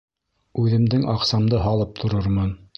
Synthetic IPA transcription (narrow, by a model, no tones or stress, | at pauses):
ʉðɘ̆md̪ɘŋɑqsɑmd̪ɤɦɑlˠɤp̚t̪ʰŏɾɤɾmɤn